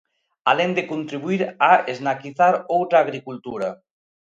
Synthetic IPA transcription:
a̰lend̪ekunt̪ɾiβuiɾaeznakiθaɾowt̪ɾaːɣɾikult̪uɾɐ

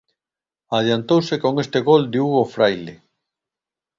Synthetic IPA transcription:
aðjant̪owsekoŋest̪eɣold̪euɣofɾajle

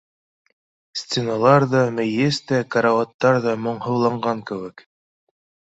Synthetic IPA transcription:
sʲt̪ʲenalˠɑɾðɑmɘ̆jɘst̪ækaɾawɑt̪ːɑɾðɑmŏɴhɤ̆wlˠɑɴɢɑŋkɘ̆wɘk

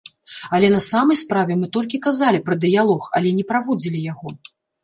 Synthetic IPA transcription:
ɐlʲɛnɐsamɐjspɾavʲɛmɨt̪ɔlʲkʲikazalʲipɾɐd̪ɨjalˠɔxɐlʲɛnʲɛpɾavɔd͡zʲilʲijaɣɔ

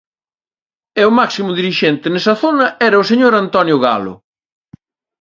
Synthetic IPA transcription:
ɛʊmaksimʊðiɾiʃent̪enesɐθonɐɛɾɐʊseɲoɾant̪ɔnjʊɣa̰lʊ̰

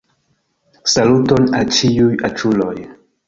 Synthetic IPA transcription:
salutonalt͡ʃiujat͡ʃuloj

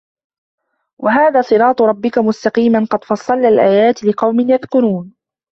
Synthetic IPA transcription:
wʔaɦaːðaːsˤɨɾɑːt̪ˤɾˤɑbːɪkamʊst̪ɑqiːmanqɑd̪fɑsˤːɑlːalʔaːjaːt̪lɪqɑwmɪnjaðkʊɾuːn

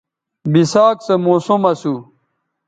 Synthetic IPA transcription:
bisaːksɐmoːsumɐsu

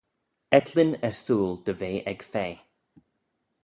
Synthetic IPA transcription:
ɛt̪ʰlɪnɛɹstuːlˠd̪̥əveːʔɛɡ̥feː

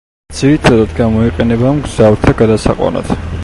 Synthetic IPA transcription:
d̪z̥iɾit̪ʰad̪ad̪ɡamɔiqʼɛnɛbamɡz̥avɾt̪ʰaɡad̪asaqʼwa̰na̰t̪ʰ

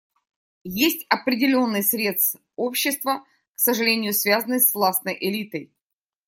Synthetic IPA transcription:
jesʲtʲɐpɾʲɪdʲɪlʲo̞nːɨjsɾʲe̞t̪st̪ | opɕːɪst̪və | ksəʐɨlʲenʲɪjʊsvʲazənɨsvlˠasnəjʔɪlʲit̪əj

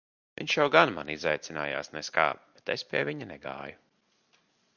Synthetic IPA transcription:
vʲḭɲʲʃjawɡanma̰nizajt̪sʲina̰ːja̰ːsnɛska̰ːb̥et̪espiɛvʲiɲanɛɡa̰ːju

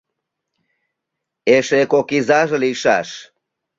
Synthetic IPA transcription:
eʃekokizaʒəliʃa̰ʃ

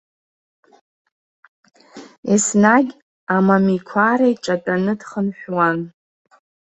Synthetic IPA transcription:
isnaɡʲ | amamikʷʰaɾaiʈ͡ʂʼatʼanɨdχənħʷᶣwan

